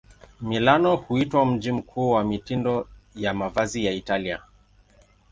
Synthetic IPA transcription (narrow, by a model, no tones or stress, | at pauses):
milanɔhuitwam̩d͡ʒim̩kʰuːwamitindɔjamavazijaitalia̰